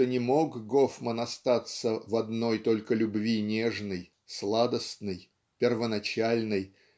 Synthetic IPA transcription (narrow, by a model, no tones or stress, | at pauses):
ənʲɪmo̞ɡɡo̞fmənɐst̪at̪səvɐd̪no̞jt̪o̞lʲkəlʲʊbvʲinʲeʐnəj | slˠad̪əst̪nɨj | pʲɪrvənɐt͡ɕalʲnɨj